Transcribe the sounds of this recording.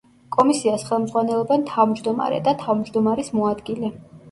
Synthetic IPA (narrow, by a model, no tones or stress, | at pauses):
kʼɔmisiasχɛlˠmd̪zʁwanɛlˠɔbɛnt̪ʰavmd͡ʒd̪ɔma̰ɾɛ̰d̪at̪ʰavmd͡ʒd̪ɔmaɾismɔad̪ɡilɛ